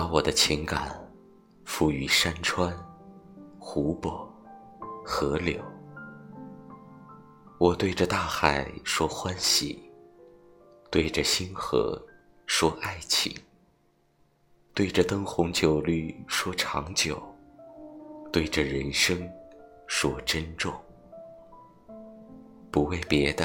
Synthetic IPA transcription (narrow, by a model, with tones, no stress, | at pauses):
pa˧˥wɔ˨˩d̪ə˦t͡ɕʰi˧˥ŋka˨˩˦n | fu˥˩y˧˥ʂa˥nʈ͡ʂʰwa˥n | xu˧˥pɔ˨˩˦ | xɤ˧˥ljo˨˩˦ʊ | wɔ˨˩t̪we˥˩ɪʈ͡ʂə˧t̪a˥˩xa˨˩ɪʂwɔ˥xwa˥nɕḭ˨˩ | t̪we˥˩ɪʈ͡ʂə˩ɕi˥nxɤ̰˧˥ | ʂwɔ˥ʔa˥˩ɪt͡ɕʰḭ˨˩ŋ | t̪we˥˩ɪʈ͡ʂə˨˩t̪ɤ˥ŋxʊ˧˥ŋt͡ɕjo˨˩ʊly˥˩ʂwɔ˥ʈ͡ʂʰɑ˧˥ŋt͡ɕjo˨˩˦ʊ | t̪we˥˩ɪʈ͡ʂə˩ɻə˧˥nʂɤ˥ŋʂwɔ˥ʈ͡ʂə˥nʈ͡ʂʊ˥˩ŋ | pu˧˥we˥˩ɪpjɛ˧˥d̪ə˧